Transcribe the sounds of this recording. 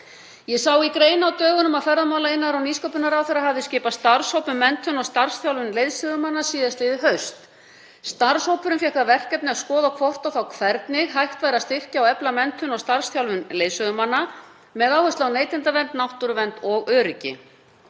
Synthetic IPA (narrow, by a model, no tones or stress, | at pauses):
jɛsawikɾeːjnawt̪œːɣʏnʏmaðfɛɾðamawlaɪnːaɾawniːskowpʏnaɾawθɛjɾaɦavðɪscɪːpast̪aɾ̥showpʏmɛnt̪ʰʏnɔɣst̪aɾ̥sθjawlvʏnlejðsœɣʏmanːasiːðast̪ɪːðɪɦœɥst̪ | st̪aɾ̥showpʏɾʏmfjɛhkavɛr̥kɛp̪nɪaskɔːðawkʰvɔr̥t̪awθawkʰvɛɾt̪nɪɣɦajht̪vaːjɾast̪ɪr̥caawɛplamɛnt̪ʰʏnɔɣst̪aɾ̥sθjawlvʏnleːjðsœɣʏmanːa | mɛðaːwhœst̪lawneːjt̪ɪnt̪avɛnt̪̚nawht̪ʏɾʏvɛnt̪ɔɣœːɾɪcɪ̰